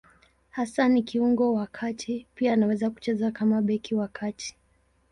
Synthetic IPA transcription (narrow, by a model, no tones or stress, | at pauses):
hasanikiuŋɡɔwakʰatʰipianawɛzaku̥t͡ʃɛzakamaɓɛkiwakʰatʰi̥